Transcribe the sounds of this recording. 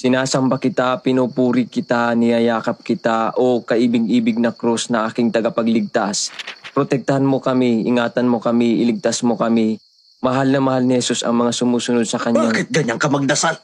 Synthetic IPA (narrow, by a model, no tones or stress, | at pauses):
sɪnaːsɐmbakɪt̪apɪnopuːɾɪkɪt̪anɪɐjaːkɐp̚kɪt̪aʔo̞kɐʔiːbɪɡ̚ʔiːbɪɡ̚nɐkɾusnɐʔaːkɪŋt̪ɐɡapɐɡlɪɡ̚t̪aspɾot̪ɛk̚t̪ɐhanmokɐmiʔɪ̰ŋaːt̪ɐnmo̞kɐmiʔɪlɪɡ̚t̪asmo̞kɐmɪ | mɐɦalnɐmɐhalnɪhɛsusɐ̰ŋmɐŋasʊmuːsʊnod̪̚sɐkɐɲbaakɪt̪̚ɡɐɲaŋkɐmɐɡ̚d̪ɐsal